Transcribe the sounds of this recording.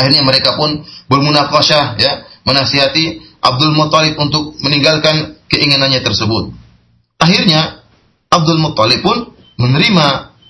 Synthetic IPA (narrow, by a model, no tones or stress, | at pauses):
ahirɲaməɾekapʊnbərmunafaʃahjamənasiɦat̪iʔa̰b̚dʊlmɔt̪ːalɪp̚unt̪ʊk̚məniŋɡalkankəʔiŋananɲat̪ərsəbʊt̪̚ | ʔaɦɪrɲa | ab̚dʊlmɔt̪ːɑlɪpːʊn | mənəɾima